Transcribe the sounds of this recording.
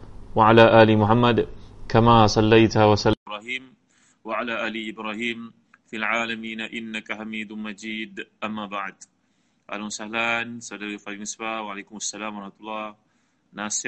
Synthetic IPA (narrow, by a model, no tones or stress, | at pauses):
waʕalaːʔaːlɪmʊħamːad̪kamasˤɑlːajt̪hawasalɾaːhiːm | waʕalaːʔaːlɪʔɪbɾaːhiːm | fɪlʕaːlamiːnaʔɪnːakahamiːd̪mad͡ʒiːd̪ʔamːaːbaʕd̪ | ʔa̰ːlawasahlaːnsalːaifabnɪsbawaʕaleːkʊmasːalaːmɾˤɑħmat̪ʊlˤːɑː | naːsɪ